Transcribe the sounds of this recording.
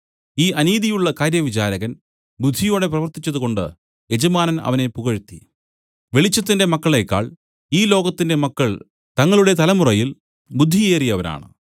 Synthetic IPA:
iːʔɐniːðijuɭːɐkaːɾjɐʋit͡ɕaːɾɐɣɐn | bud̪ʱːijo̞ːɽe̞prɐʋɐrt̪it͡ɕːɐðuɣo̞ɳɖɨ̰ | e̞d͡ʑɐmaːnɐnɐ̰ʋɐne̞puɣɐɻut̪ːi | ʋe̞ɭit͡ɕːɐt̪̬ːinde̞mɐkːɐɭe̞ːkːa̰ːɭ | iːlo̞ːɣɐt̪ːinde̞mɐkːɐɭ | t̪ɐŋːɐɭuɽe̞t̪ɐlɐmurɐjil | bud̪ʱːijeːrijɐʋɐna̰ːɳɨ̰

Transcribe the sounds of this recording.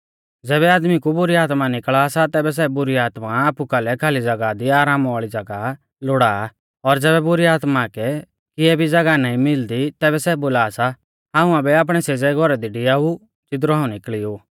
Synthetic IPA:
d͡zɛːβɛaːd̪mikubʊɾiaːt̪manɪkɭaːsat̪ɛːbɛs̬ɛbʊɾiaːt̪maaːpukɐlɛkʰaːlid͡zɐɡad̪iaːɾaːmaːɭid͡zɐɡa | loːɽaː | ɔɾd͡zɛːbɛbʊɾiaːt̪makɛ | kɪɛbʱid͡zɐɡanaːĩmɪld̪it̪ɛːbɛsɛboːlaːsa | ɦãːũabɛaːp̬ɽ̃ɛseːd͡zɛɡʱɔɾɛd̪iɖɪjau | t͡ʃɪt̪̬ɾoɦãːũnɪkɭioː

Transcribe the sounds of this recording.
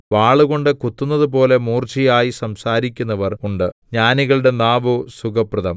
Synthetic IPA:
ʋaːɭuɣo̞ɳɖɨkut̪ːunːɐðup̬o̞ːle̞muːrt͡ɕijaːjisɐmsaːɾikʲːunːɐʋɐruɳɖɨɲaːniɣɐɭuɽe̞naːʋɨsukɐprɐðɐm

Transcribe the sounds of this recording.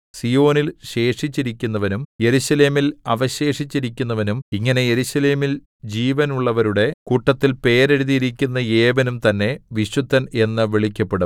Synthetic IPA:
sijo̞ːnilɕe̞ːʂit͡ɕːiɾikʲːunːɐʋɐnumje̞ɾuɕɐle̞ːmilɐʋɐɕe̞ːʂit͡ɕːiɾikʲːunːɐʋɐnumiŋːɐne̞jeɾuɕɐle̞ːmil | d͡ʑiːʋɐnuɭːɐʋɐɾuɽe̞kuʈːɐt̪ːilpe̞ːɾeɾuðijiɾikʲːunːɐeːʋɐnumt̪ɐnːe̞ʋiɕut̪ːɐne̞nːɨʋeɭikʲːɐpːeɽu

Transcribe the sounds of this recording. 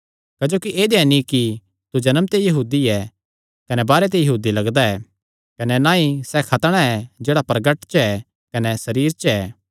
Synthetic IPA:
kɐd͡ʒoːkiʔeːd̪ɛnĩki | t̪ud͡ʒɐnəmt̪ejɐɦuːd̪iɛ | kɐnɛbaːɾet̪̬ejɐɦuːd̪ilɐɡd̪aɛː | kɐnɛnãːĩsɛkʰɐt̪ɽ̃aɛd͡ʒeːɽapɾɐɡəʈt͡ʃɛ | kɐnɛsɐɾiːɾt͡ʃɛː

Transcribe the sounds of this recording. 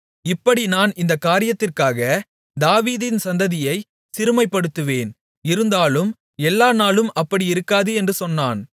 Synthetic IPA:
ɪpːɐɽinaːnɪnd̪ɐkːaːɾɪjɐt̪ːɪrkaːɣɐ | d̪aːʋiːðɪnsɐnd̪ɐðɪjɐɪ | sɪɾɯmɐɪpːɐɽɯt̪ːɯʋeːn | ɪɾɯnd̪aːlɯm | ɛlːaːnaːlɯmɐpːɐɽiɪɾɯkːaːðɯɛndrɯsɔnːaːn

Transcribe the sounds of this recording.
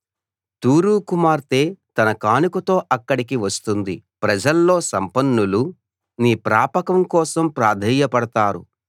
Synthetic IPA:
t̪uːɾuːkumaːɾt̪e̞ːt̪ɐnɐkaːnikut̪o̞ːʔɐkːɐɽik̬iʋɐst̪und̪ipɾɐd͡ʒɐlːo̞ːsɐmpɐnːulu | niːpɾaːpɐkɐmkɔːsɐmpɾaːd̪ʱiːjɐpɐɽɐt̪aːɾṵ

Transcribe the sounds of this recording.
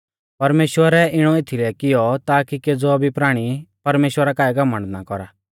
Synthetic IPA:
pɐɾmeːʃwəɾɛʔɪɽ̃ɔet̪ʰilɛkɪjɔt̪aːkiked͡zɔbʱipɾaːɽ̃ipɐɾmeːʃwəɾakaːɛɡɐmːə̃ɳnakɔɾaː

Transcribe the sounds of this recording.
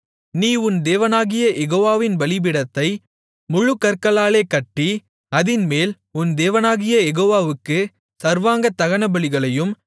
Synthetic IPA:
niːʊnd̪eːʋɐnaːɣɪjɐʔɛɣoːʋaːʋɪnbɐlɪbɪɽɐt̪ːɐɪ | mʊɻɯkːɐɾkɐɭaːleːkɐʈːi | ɐðɪnmeːl | ʊnd̪eːʋɐnaːɣɪjɐjɛɣoːʋaːʋɯkːɯ | sɐɾʋaːŋɡɐt̪ːɐɣɐnɐbɐɭɪɣɐɭɐjɯm

